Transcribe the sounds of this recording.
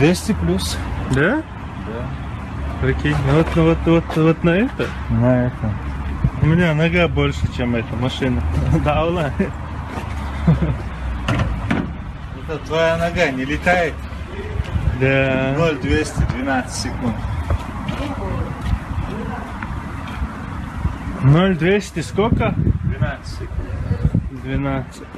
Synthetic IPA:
d̪vʲesʲt̪ʲɪplʲusd̪a | d̪a | pɾɐkʲenʲvot̪nɐvot̪vot̪vot̪nɐɛt̪ə | nɐɛt̪əmʊmʲɪnʲanɐɡabolʲʂɨt͡ɕemɛt̪əmɐʂɨnəd̪avla | ɛt̪ət̪vɐjanɐɡanʲɪlʲɪt̪ajɪt̪ʲ | d̪ʲanolʲd̪vʲesʲt̪ʲɪd̪vʲɪnat̪st̪ʲsʲɪkunt̪ | nolʲd̪vʲesʲt̪ʲɪskokəd̪vʲɪnat̪sʲk̪ | d̪vʲɪnat̪sɨt̪ʲ

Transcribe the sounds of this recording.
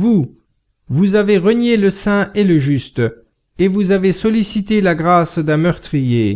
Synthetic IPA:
vu | vuzaveʁənjeləsɛ̃eləʒyst̪ | evuzavesɔlisit̪elaɡʁasd̪ɛ̃mœʁt̪χije

